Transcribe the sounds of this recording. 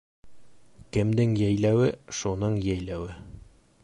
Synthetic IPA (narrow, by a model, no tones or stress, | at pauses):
kɘ̆md̪ɘŋjæjlæwɘʃunɤɴjæjlæwɘ